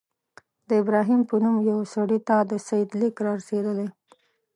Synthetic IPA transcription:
d̪əɪbɾɑɦimpənumjawsaɽit̪ad̪əsajɪd̪likɾɑɾased̪əle

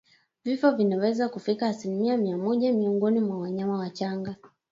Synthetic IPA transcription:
vifɔvinawɛzakufikaːsilimiamiamɔʄamiɔŋɡɔnimwawaɲamawat͡ʃaŋɡa

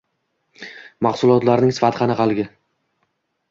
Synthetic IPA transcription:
mɑχsʊlˠɒt̪laɾnɪŋsɪ̥fat̪ʰqʰɑnɪqʰɑlˠɡʲɪ

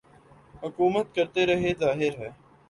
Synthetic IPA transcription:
ɦʊkuːmət̪̚kəɾt̪eɾɐɦezaːɦɪɾɦɛː

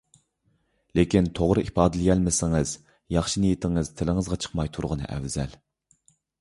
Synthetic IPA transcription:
lekʲint̪ʰoʁɾɨʔipɑːd̪ɨlɪjɛlmɪsɪŋɨz̥ | jɑχʃinijit̪ʰɪŋɨz̥t̪ʰɪlɪŋɨzʁɑt͡ʃʰə̥qmɑjt̪ʰuɾʁənɨ̰ʔɛ̰wz̥ɛl

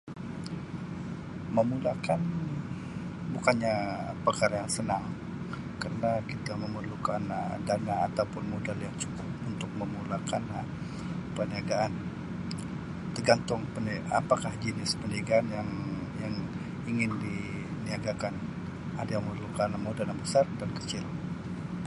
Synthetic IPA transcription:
məmulakan | bukanɲapərkaɾajaŋsənaŋ | karənakit̪aməmərlukandanaːt̪awpʊnmodaljaŋt͡ʃu̥kʊp̚unt̪ʊk̚məmulakan | pəniaɡaʔan | t̪ərɡant̪ʊŋpəna̰pakahd͡ʒənɪspəniaɡaːnjaŋjaŋ | iŋɪndi | niaɡakan | adajaŋməmərlukanmodaljaŋbəsardankə̥t͡ʃɪl

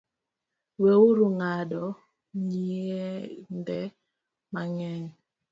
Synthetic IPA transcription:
wɛuɾuŋadɔ | ɲiɛndɛ | maŋɛn

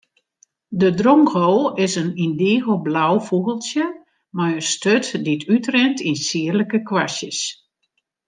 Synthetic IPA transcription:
dədrɔŋxoɪsənindɪːɣəblawfuɣəlˠsjə | majənstøtditʰytrɛntinsiərləkəkwasjəs

